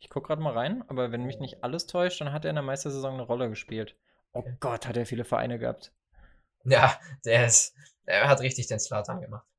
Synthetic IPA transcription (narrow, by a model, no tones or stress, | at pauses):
ʔɪçkʰʊk̚ɡ̥ʁaːtmaːlʁaɪnʔaːbɐvɛnmɪçnɪçtʔaləstʰɔʏʃtd̥anɦatdeːɐɪndeɐmaɪstɐzezɔŋnəʁɔləɡəʃpiːlt | ʔoːɡ̥ɔthateːɐfiːləfɛɐ̰ʔa̰ɪnəɡəha̰ːp̚t | jaːd̥eːɐɪs | deːɐhatʁɪçtɪçd̥eːnslaːtʰanɡəmaχt